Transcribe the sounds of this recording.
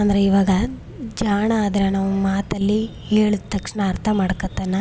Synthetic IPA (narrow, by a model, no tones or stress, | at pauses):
ɐnd̪ɐɾeiʋaːɡɐ | d͡ʒaːɳɐːd̪ɐɾɐnɐʋumaːt̪ɐlːi | heːɭut̪ːɐkʂɳɐːɾt̪ʰɐmaːɽɐkɐt̪ːɐnːɐ